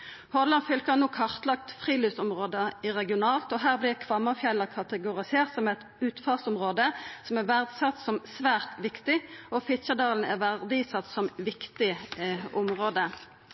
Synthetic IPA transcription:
hɔʁlɑnfʏlkənuːkʰɑʁt̪lɑk̚t̪fʁiːlyːsɔmʁoːd̪əɪʁɛɡɪʊnɑːlt̪ɔːɦæːʁblɪʁkʰʋɑmːəʁfjɛlːəkʰɑt̪əɡʊʁɪseːʁt̪sɔmɛt̪ | ʉːt̪fɑːʁsɔmʁoːd̪əsɔmɛʋæʁd̪sɑt̪sɔmsʋæːʁt̪ʋɪkt̪ɪʔɔfɪʃəd̪ɑːln̩ɛʋæʁd̪ɪsɑt̪ːsɔmʋɪkt̪ɪʔʊmʁoːd̪ə

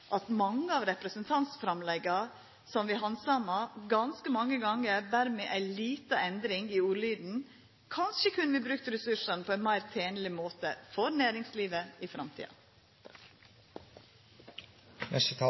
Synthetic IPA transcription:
ʔɑt̪mɑŋːəɑːʋɾɛpɾəsənt̪ʰɑnt̪sfɾɑmlɛɡɑ | sɔmʋɪɦɑnsɑmɑɡɑnskəmɑŋːəɡɑŋːəɾd̪æɾmeːʔæɪliːt̪əɛnd̪ɾɪŋiuːɾlyːd̪n̩ | kʰɑnʃəkʰʉnːəʋɪbɾʉkt̪əɾɛsʉʂɑnəpʰɔɛnmæɪɾt̪ʰeːnlɪmoːt̪əfɔɾnæːɾɪŋsliːʋəɪfɾʔɑmt̪ʰḭːɑ̰ | nɛst̪ʰ

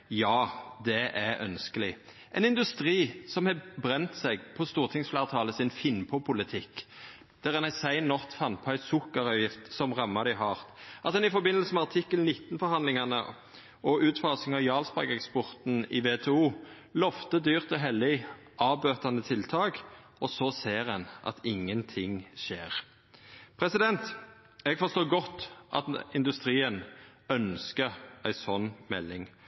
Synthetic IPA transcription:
jɑːd̪ɛʔæœ̰nskəlɪ | ʔɛnɪnd̪ʉst̪ʁiːsɔmhɛbʁɛnt̪sɛɡpʰɔst̪uːʁt̪ʰɪŋsflæːʁt̪ʰɑːləsɪnfɪnːpʰɔpʰʊlɪt̪ʰɪkː | d̪̥æʁɛnæsæɪnːɔʁt̪fɑnpʰɔæɪsʊkːɑɾœːjɪft̪sɔmʁɑmːɑd̪ɪɦɑːʁt̪ɑlsɔɛnɪfɔbɪnəlsəmɛɑʁt̪ʰɪkːəlnɪt̪ːn̩fɔɾhɑnd̪lɪŋɑnə | ɔʉːt̪fɑsɪŋɑʋjɑːlspɑ̰ɡɛkspɔʁt̪n̩ɪ̰ʋeːt̪ʰɛːuː | lɔft̪əd̪yːʁt̪ɔɦɛlːɪ | ɑːbøːt̪ɑnət̪ʰɪlt̪ʰɑːk | ɔsɔseːʁɛnʔɑ̰t̪ʰɪŋːənt̪ʰɪŋʃeːʁ | pʰɾɛsɪd̪ɛnt̪ | ɛɡfɔʁst̪oːɡɔt̪ːʔɑ̰t̪ɪnd̪ʉst̪ʁiːən | œnskəɾæɪsɔnːmɛ̰lːɪŋ

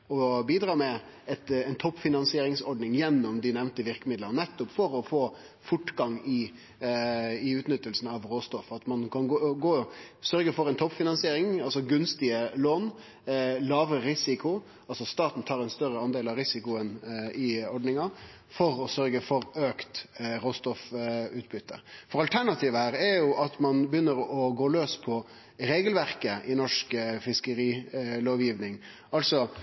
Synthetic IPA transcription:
ɔbiːd̪ɾɑːmɛ | ɛt̪ɛnt̪ʰɔpːfɪnɑnsɪeːɾɪŋsɔɾɖnɪŋjɛnːɔmd̪ɪnɛʋnt̪əʋɪɾkəmɪd̪lənɛt̪ːʊpfɔɾɔfoː | fʊʈɡɑŋɪ | ɪʉːt̪nʏt̪ːəlsn̩ɑʋɾoːst̪ɔfɑt̪mɑnkʰɑnɡoːɡoːsœɾɡəfɔɾɛnt̪ʰɔpːfɪnɑnsɪeːɾɪŋɑlsɔɡʉnst̪ɪəloːn | lɑːʋɾəɾɪsɪkʊ | ɑlsɔst̪ɑːt̪n̩t̪ʰɑːɾɛnst̪œɾəɑnd̪eːlɑɾɪsɪkʊənɪɔɖnɪŋɑ | fɔɾɔsœɾɡəfɔɾøːkt̪ɾoːst̪ɔfʉːt̪̚bʏt̪ʰːə̰fɔɾɑlt̪ʰæɳɑt̪ʰiːʋəhæːɾɛɾjʊʔɑt̪mɑnbəjʏnːəɾɔɡoːløːspʰɔ | ɾeːɡəlʋæɾkəʔɪnɔʂkfɪskəɾiːloːʋjiːʋnɪŋ | ʔɑlsɔ

